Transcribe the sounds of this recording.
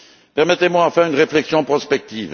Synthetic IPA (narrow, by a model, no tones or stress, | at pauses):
pɛʁmɛt̪emwaɑ̃fɛ̃ynʁeflɛksjɔ̃pχɔspɛk̚t̪iːv